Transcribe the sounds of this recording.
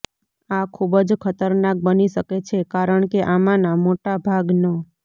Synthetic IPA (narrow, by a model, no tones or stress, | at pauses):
akʰubəd͡ʒkʰət̪əɾnak̚bəniʃəket͡ʃʰekaɾəɳkeʔamãnamoʈabʱaɡnə